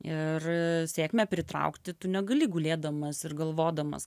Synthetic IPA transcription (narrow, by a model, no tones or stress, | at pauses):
ɪrsʲeːkmʲɛpʲɾʲɪt̪ɾɐ̰ʊkt̪ʲɪt̪ʊnʲɛɡɐlʲɪɡʊlʲeːd̪ɐmɐsɪrɡɐlˠʋoːd̪ɐmɐ̰s